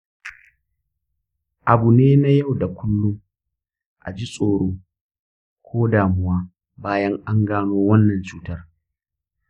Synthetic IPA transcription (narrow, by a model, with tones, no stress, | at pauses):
ʔa˨bu˨neː˦na˦jɐ˦˨wda˨kʷʊ˦lːʊ˦ŋ | ʔa̰˨d͡ʒi˦sʼoː˨ɽoː˦ | kʷʰoː˦daː˨mʊ˦waː˦ | baː˦jɐ˦ŋʔa˦ŋɡaː˦noː˦wɐ˦nːɐ˨nt͡ʃuː˦tɐ˦r